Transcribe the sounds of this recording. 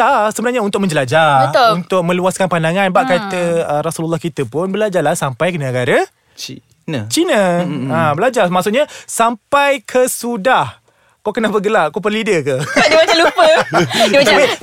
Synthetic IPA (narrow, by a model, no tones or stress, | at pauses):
asəbənarɲaunt̪ʊk̚mə̃ɲd͡ʒəlad͡ʒaəunt̪ʊk̚mə̃luaskanpandaŋanbaʔkait̪əəɾasululːahkit̪əpʊnbəlad͡ʒalahsampajkənəəɡaɾə | i | nət͡ʃinəabəlad͡ʒamaʔsʊʔɲasampajkʰəsudah | kawkənabəɡəlaʔkapərlidəkədimat͡ʃalupəiat̪api